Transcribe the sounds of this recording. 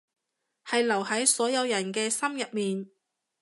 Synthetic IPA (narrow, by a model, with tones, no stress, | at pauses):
hɐ˨jlɐ˨˩wɦɐ˨˥jsɔː˨˥jɐ˨˧wjɐ˨˩nkɛː˧sɐ˥mjɐ˨p̚miː˨n